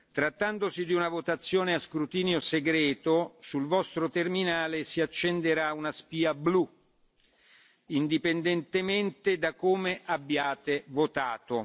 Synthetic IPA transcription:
t̪ɾat̪ːand̪osid̪iunavot̪at̪sːjoːneaskɾut̪iːnjoseɡɾɛːt̪osulvɔst̪ɾot̪erminaːlesiat͡ʃːend̪eɾaunaspiːablu | ind̪ipend̪ɛnt̪ement̪ed̪akoːmeʔabːjaːt̪evot̪aːt̪o

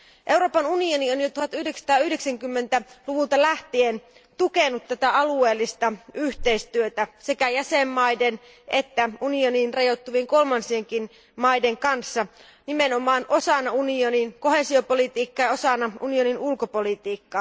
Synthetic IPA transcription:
ʔe̞wɾo̞ːpɑnunionionjot̪uhɑt̪yhdeksɑ̥t̪ɑːyhdeksæŋkymːent̪æluʋult̪ɑlæht̪ien | t̪ukenut̪t̪ːæt̪æɑlue̞ːlːist̪ɑyht̪e̞ist̪yøt̪æse̞kæjæsemːɑjden | ʔet̪ːæunioniːnrɑjot̪ːuʋieŋko̞lmɑnsieŋkin | mɑideŋkɑnsːɑ | nime̞no̞mɑːnʔo̞sɑnɑunioninko̞he̞siopolit̪iːkːɑjɑo̞sɑnːɑunioninulkopolit̪iːkːɑː

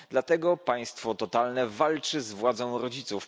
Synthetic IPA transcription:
d̪lat̪ɛɡɔpaj̃st̪fɔt̪ɔt̪alnɛvalt͡ʂɘzvwad̪zɔ̃w̃ɾɔd͡ʑit̪suf

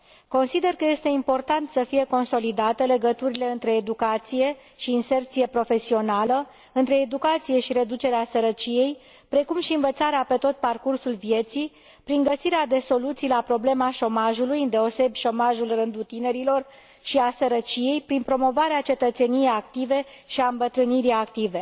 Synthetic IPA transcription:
ko̞nsid̪e̞rkəje̞st̪e̞impo̞rt̪ant̪səfije̞ko̞nso̞lid̪at̪əle̞ɡət̪uɾile̞ɨnt̪ɾe̞ːd̪ukat̪sije̞ | ʃiːnse̞rt̪sije̞pɾo̞fe̞sio̞nalə | ɨnt̪ɾe̞ːd̪ukat̪sije̞ʃiɾe̞d̪ut͡ʃe̞ɾeasəɾət͡ʃije̞j | pɾe̞kumʃiɨnvət̪saɾeape̞t̪o̞t̪̚parkursulvije̞t̪si | pɾiŋɡəsiɾead̪e̞so̞lut̪sijlapɾo̞ble̞maʃo̞maʒulujɨnd̪e̞o̞se̞bʲʃo̞maʒulrɨnd̪ut̪ine̞ɾilo̞r | ʃiasəɾət͡ʃije̞jpɾinpɾo̞mo̞vaɾeat͡ʃe̞t̪ət̪se̞nijejakt̪ive̞ | ʃiaɨmbət̪ɾɨniɾiak̚t̪ive̞

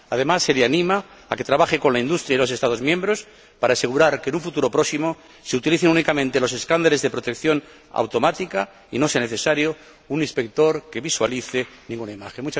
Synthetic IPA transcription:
að̞e̞masːe̞leanĩma | ake̞t̪ɾaβaxeko̞nlaind̪ust̪ɾjajlo̞se̞st̪aðo̞zmjembɾo̞s | paɾaːse̞ɣ̞uɾaɾkenũɱfut̪uɾo̞pɾo̞simo̞ | se̞ut̪iliθenunikamẽ̞nt̪e̞lo̞s̬e̞skand̪ale̞zðe̞pɾo̞t̪e̞kθjo̞n | a̰wt̪o̞mat̪ika | ino̞seane̞θe̞saɾjo | unĩspe̞k̚t̪o̞ɾke̞βiswaliθenĩŋɡunaimaxenmut͡ʃa

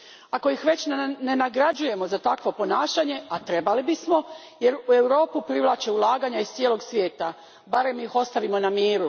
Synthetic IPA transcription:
ako̞ixʋe̞t͡ɕnne̞naɡɾad͡ʑuje̞mo̞zat̪akʋo̞po̞naːʃaɲe̞at̪ɾe̞balibismo̞ | je̞ɾue̞wɾo̞ːpupɾiʋlˠaːt͡ʃeulˠaːɡaɲaist̪sieːlo̞ɡsʋje̞ːt̪a | baɾe̞mːiixo̞st̪aʋimo̞namiːɾu

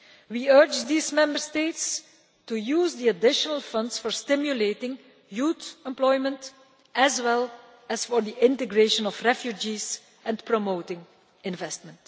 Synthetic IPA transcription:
wiɜɹd͡ʒd̪iːzmɛ̃mbəɹsteɪts | tujuːzd̪iədɪʃənəlˠfʌ̃ndsfɔɹstɪmjuletɪ̃ŋ | juːtɛ̃mplɔɪmə̃nt | ʔɛzwɛlˠ | ɛsfɔɹd̪iʔɪ̃ntəɡɹeʃə̃nɔfɹɛfjud͡ʒiz | ɛ̃npɹomoʊtɪ̃ŋ | ɪ̃nvɛst̚mə̃nt

